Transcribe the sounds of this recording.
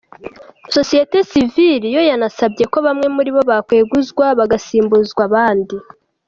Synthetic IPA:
so̞sijete̞siviɾijo̞janasabɟe̞ko̞βamŋe̞muɾiβo̞βakwe̞ːɡuzɡwaβaɡasiːmbuzɡwaβaːndi

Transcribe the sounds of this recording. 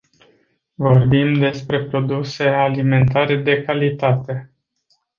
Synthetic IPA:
vo̞rbimd̪e̞spɾe̞pɾo̞d̪use̞alime̞nt̪aɾe̞d̪e̞kalit̪at̪e̞

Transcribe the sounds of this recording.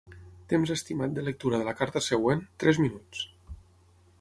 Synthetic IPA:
t̪emzəst̪imat̪̚d̪ələk̚t̪uɾəðələkaɾt̪əsəɣwent̪ɾɛzminut͡s

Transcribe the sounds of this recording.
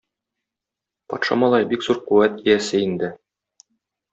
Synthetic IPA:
pɒ̰t̪ʃɑ̰mɒlˠɑjbikzuɾquwæt̪ijæsɘind̪ɘ

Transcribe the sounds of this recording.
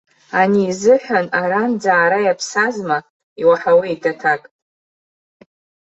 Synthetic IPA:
aniːzɨħᶣʷanaɾand͡zaːɾajapʰsazma | iwaħaweitʰatʰakʼ

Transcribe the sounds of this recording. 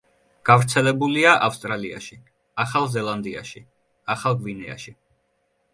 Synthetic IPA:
ɡ̥avɾt̪sʰɛlɛbuliaʔafst̪ʼɾalia̰ʃi | aχalˠzɛlˠand̪ia̰ʃi | aχalˠɡvinɛa̰ʃi

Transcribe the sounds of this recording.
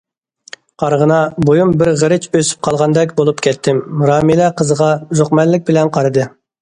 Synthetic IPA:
qʰɑɾʁənɑbojumbɪɾʁəɾɪt͡ʃøsy̥p̚qʰɑlˠʁɑnd̪ɛkʲbolˠupkʲʰɛt̪ʰːɪmɾɑːmilɛqʰəzəʁɑʒoχqmɛllːɪk̚ʲbɪlɛnqʰɑɾɨd̪ɨ

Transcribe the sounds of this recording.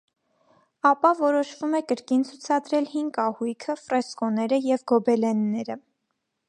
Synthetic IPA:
ɑpɑvɔɾɔʃvumɛkəɾkint͡sʰut͡sʰɑd̪ɾɛlhiŋɡɑhujkʰəfrɛskɔnɛɾəjɛvɡɔbɛlɛnːɛɾə

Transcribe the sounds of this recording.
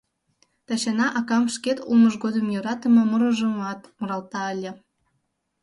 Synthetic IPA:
t̪ɑɕɑnɑʔɑkɑmʃket̪uməʒɡod̪əmjøɾɑt̪ə̆mɤ̆moɾə̆ʒəmɑt̪muɾɑlt̪ɑəlʲĕ

